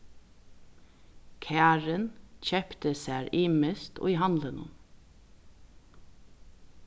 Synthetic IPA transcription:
kʰæːɹənc͡çɛpt̪əsæːɹiːmɪst̪o̰iːɦɑnd̪lənʊ̰n

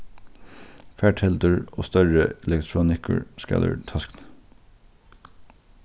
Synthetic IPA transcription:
fæːʈʰhɛld̪əɹʔoːst̪œɹəɛlɛkt̪ʰɹuːnɪkʰəɹskæ̰d̪ə̰ɹt̪ʰɑskn

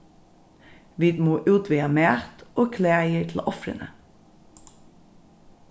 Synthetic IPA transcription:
ʋiːd̪moːʔʉːt̪ʋiːɑmeːt̪ʔoːkʰleːjətʰl̩ʔɔfɾə̰nʔə̰

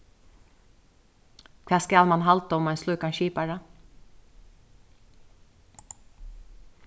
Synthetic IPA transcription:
kʰʋæːskɑːlmɑnhɑlt̪ɔmɑɛnslʉːkɑnʃiːpæɹə

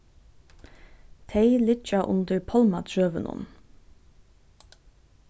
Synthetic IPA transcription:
t̪ʰeɪlɪt͡ʃɑʔʊnd̪əɹpʰɑlmɑt̪ʰɹøːʋənʊ̰n

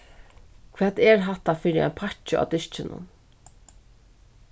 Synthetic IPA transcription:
kʰvɛːt̪ɛɾɦat̪ːafɪːɾɪa̰jnpʰat͡ʃɪa̰ːd̪ɪʃt͡ʃɪnʊ̰n

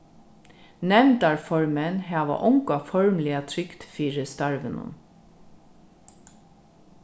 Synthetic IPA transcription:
nɛmd̪ɑɹfɔɹmənhɑːʋə̰ʔʊŋkɑfɔɹmlɪɑt̪ʰɾʏkt̪fyːɹəst̪ɑɹʋənʊ̰m

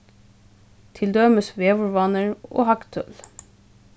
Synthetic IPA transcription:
t̪ʰɪld̪øməsʋeːʋʊɹʋɑnəɹo̰ːhɑkt̪ʰœ̰l

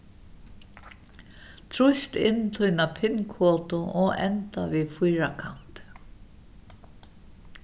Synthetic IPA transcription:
t̪ʰɾʊst̪ɪnːt̪ʰujnapʰɪnkʰɔːt̪ʊʔɔɛ̰nt̪aviðfʊjɾakʰa̰n̥t̪

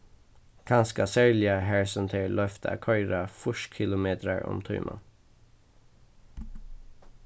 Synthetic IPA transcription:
kʰɑnskɑsæɹlɪəhæɹsənt̪ʰeːɹlœft̪ʰəɑ̰kʰœʏɾɑfʊʃkʰɪlʊmeːt̪ɾəɹɔ̰mt̪ʰʊ̰ʏmʔɑ̰n

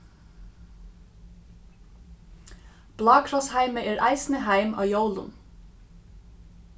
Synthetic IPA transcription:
b̥lɑːkʰɹɔshæɪməʔeːɹʔæ̰ɪsnəhæɪmɑ̰ːjoʊlʊ̰n

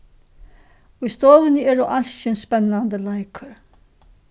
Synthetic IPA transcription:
ʊjst̪oːʋɪnəɛɾɔʔalsɪnspɛnːand̪əlajkʰəɾ

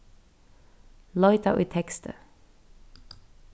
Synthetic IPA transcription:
lɔʏt̪a̰ʔʉ̰t̪ʰɛkst̪ə̰

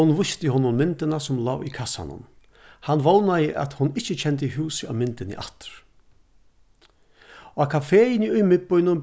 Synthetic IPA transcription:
ʊnvʊst̪ɪhoːnːʊnmɪnt̪ɪnasʊmlaːwikʰasa̰nʊ̰n | hanːvownajɪʔa̰t̪hʊnːɪht͡ʃːɪt͡ɕʰɛnt̪̬əiɦuːsɪa̰mɪnt̪ɪnɪ̰ʔa̰t̪ɪ̥ɾ̥ | akʰafɛːjɪnɪʊjmɪt̪̚pʊjnʊn

